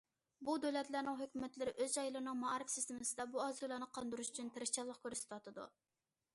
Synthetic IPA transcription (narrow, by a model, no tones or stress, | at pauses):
bud̪ølɛt̪læɾnɪŋɦøkʲymɛt̪lɪɾɪʔøzɑjlˠɨɾnɨŋmɑɾɪfsist̪ɪmɪsɪd̪ɛbuɑzulˠɑnɨqʰɑnd̪uɾuʃyt͡ʃʰynt̪ʰɪɾɪʃt͡ʃɑlˠːəχkʲʰøɾsɪt̪ʰwɑt̪ʰɨd̪ṵ